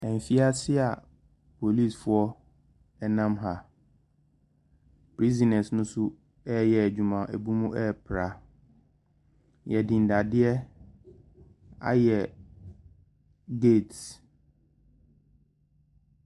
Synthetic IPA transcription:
ɛ̃˨m˨fi˦a˦sɪ˦a˨ | pʰo˨li˦˨sfʊ˦ɔ˦ | ɛ˦nã˦mɦa˨ | pʰɾi˦zi˨nɛ˨snʊ̃˦sʊ˦ | ɛ˦jɛ˨æ˨d͡ʑᶣu˨mã˨ʔæ˨bu˦mũ˦ʔɛ˦˨pʰɾa˨ | jɛ˨dĩ˨n̩˨da˨dɪ˦ɛ˦ | a̰˦jɛ˨ | ɡe˦˨ts

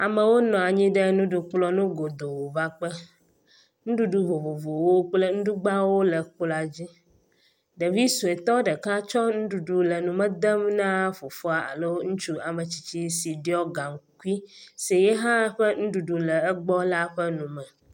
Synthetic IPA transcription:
a˨mə˨wo˦nɔ̃˨a˨ɲĩ˦ɖə˦nũ˦ɖu˦k͡plɔ˦nũ˦ɡo˨d̪o˨wo˨va˦k͡pə˦ | nũ˦ɖu˦ɖu˦vo˨vo˨vo˨wo˦k͡plə˦ŋ̩̃˦du˦ɡ͡ba˦wo˦lə˨k͡pla˨d͡ʑi˦ | ɖə˨vi˦su˨e˨t̪ɔ˦ɖə˨ka˦t͡ʃɔ˦nũ˦ɖu˨ɖu˨lə˨nũ˨mə̃˦d̪ə˦mnã˦fo˨fo˦a˨a̰˨lɛ˦wo˦ŋũ˦t͡ʃu˦a˨mə˨t͡ɕi̥˨t͡ɕi˦si˨ɖi˦ɔ˦ɡa˨ŋ˨ku˦i˦se˨jɛ˦ɦã˦ɸə˦nũ˦ɖu˨ɖu˨lɛ˨ɛ˦ɡ͡bɔ˦la˦ɸə˦nũ˨mɛ˨

